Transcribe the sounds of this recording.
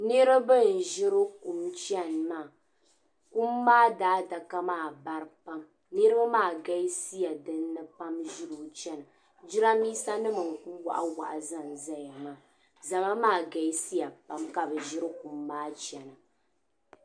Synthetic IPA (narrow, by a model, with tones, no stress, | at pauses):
nɨ˦ɾa˦bɨ˦˨n˨ʒɪ˦ɾɨ˦ku˨mt͡ʃɛ˦˨nmaː˦˨ | ku˦mːaː˦daː˦da˨ka˦maː˦˨ba˦ɾpa˦m | nɨ˦ɾɨ˦ba˦maː˦˨ɡa˦i˦si˦ja˨dɨ˦nːɨ˦pa˦mʒɪ˦ɾu˨t͡ʃɛ˦nɨ˨ | d͡ʒɪ˦ɾa˦miː˦sa˦nɨ˦mɨ˨ŋ˨ku˦wa̰˨ʔa̰˦wa̰˨ʔa˨za˦nza˦ja˨ma˦˨ | za˨ma˦maː˦˨ɡa˨˦si˦ja˨pa˦mka˨bɛ˨ʒɪ˦ɾɨ˦ku˨mːaː˦t͡ʃɛ˨nɨ˨